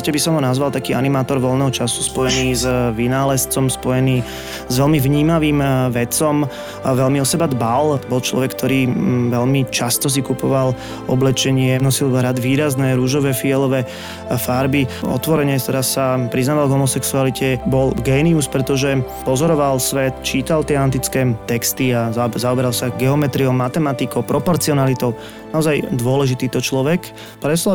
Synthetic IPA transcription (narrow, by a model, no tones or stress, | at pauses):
cɛbisɔmɦɔnazʋalˠt̪akiːa̰nimaːt̪ɔɾʋɔlnɛɦɔt͡ʃasu̥spɔjɛniːzʋinaːlɛst͡sɔmspɔjɛniː | zʋɛlmiʋɲiːmaʋiːmʋɛt͡sɔm | ʋɛlmiɔsɛbad̪balbɔlt͡ʃlɔ̰ʋɛk̚t̪ʰɔɾiːʋɛʎmit͡ʃast̪ɔs̬ikupɔʋal | ɔblɛt͡ʃɛɲɪɛnɔsilɦɾad̪ʋiːɾaznɛɾuʒɔʋɛːfiɛlɔʋɛː | faɾbiɔ̰t̪ʋɔɾɛɲɛt̪ɛɾasːapɾiznaːʋalɡɦɔmɔsɛksualicʰɛbɔlɡɛːniuspɾɛt̪ɔʒɛ | pɔzɔɾɔʋalsʋɛt̪t͡ʃiːt̪alt̪ɪɛant̪̬it͡skɛːt̪ɛkst̪iazazaɔbɛɾalsaɡɛɔmɛt̪ɾiɔʊmat̪ɛmat̪ikɔʊpɾɔpɔɾt͡siɔnalit̪ɔʊ | naɔzajd̪ʊɔlɛʒit̪iːt̪ɔt͡ʃlɔʋɛk | pɾɛʃlɔ